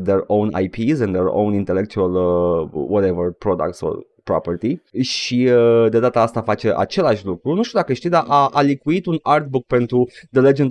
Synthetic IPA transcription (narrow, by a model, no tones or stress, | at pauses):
d̪eɹowna̰jpʰizɛnd̪eɾo̰wnint̪e̞lek̚t͡ʃ̪ualəwɔt̪evərpɾod̪a̰k̚t̪so̰ | pɾopərt̪iʃiəd̪e̞d̪at̪aast̪afat͡ʃe̞ʔa̰t͡ʃe̞laʃʲlukɾunuʃt̪ud̪akəʃt̪ijd̪aʔaʔalikuit̪unard̪̚buk̚pe̞nt̪ɾud̪əle̞d͡ʒend̪